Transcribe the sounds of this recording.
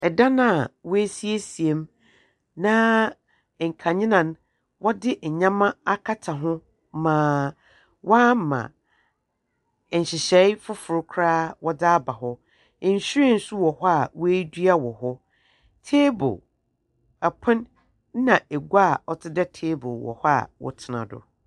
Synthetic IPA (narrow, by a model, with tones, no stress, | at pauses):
ɛ˨dã˦nã˦˨wɔ˦e˦si˦e˦si˨e˨m | nã˦˨ | ŋ̩˨kʰã˨ɲɪ̃˦nã˨n˦ | wɔ˦dɪ˦˨ɲã˦mã˦a˦kʰa˦tʰa˨ɦʊ̃˦ | mãː˨˦ | wa˦˨mã̰˨ | ɲ̩˨ɕɪ˨ɕɛ˨˦fʊ˦fʊ˨ɾʊ˦kʰɾaː˦wɔ˦da˦ba˨ɦɔ˦˨ | n̩˨ɕɪ˦e˦˨n̩˨su˦wɔ˨hɔ˦a˨we˦dɥa˦wɔ˨ɦɔ˦ | tʰeː˦bo̰˨ | a˨pʰʊ̃˦n˦ | nã˨e˨ɡa˦˨ɔ˦tʰɪ˦dɛ˦tʰeː˦bʊ˨wɔ̰˨hɔ˦a̰˦˨wɔ̰˨tʰɪ˨nã̰˨dʊ̰˨